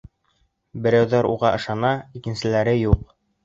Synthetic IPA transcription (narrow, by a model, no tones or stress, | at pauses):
bɘ̆ɾæwðɑɾuʁɑʔɤ̆ʃɑnɑikɘ̆nsɘ̆læɾɘjuq